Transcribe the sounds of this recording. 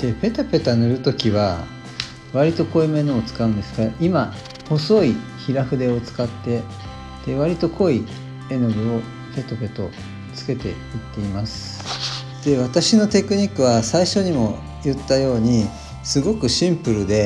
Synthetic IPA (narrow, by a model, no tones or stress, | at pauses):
d̪̥e̞pe̞t̪ape̞t̪anɯ̟ɾɯ̟t̪o̞kʲiβa | βaɾʲit̪o̞ko̞imẽ̞nːoot͡sɨ̥kaɯ̃nd̪e̞sɨ̥ɡaima | ho̞so̞içiɾaɸɯ̟d̪e̞ot͡sɨ̥kat̪ːe̞ | d̪̥e̞βaɾʲit̪o̞kʰo̞i | e̞noɾɯ̟o̞ | pe̞t̪ope̞t̪o̞ | t͡sɨ̥ke̞t̪e̞̰ | it̪ːe̞imasɨ̥ | d̪̥e̞βat̪aɕino̞t̪e̞kɯ̟ɲ̟ikːɯ̟βasaiɕo̞ɲ̟imo̞ | jɯ̟t̪ːajo̞ːɲ̟i | sɨɡo̞kɯ̟ɕĩmpɯ̟ɾɯ̟d̪e̞